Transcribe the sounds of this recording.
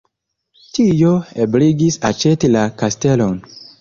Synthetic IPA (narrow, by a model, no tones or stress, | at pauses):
t͡ʃijoebliɡisat͡ʃetilakastelon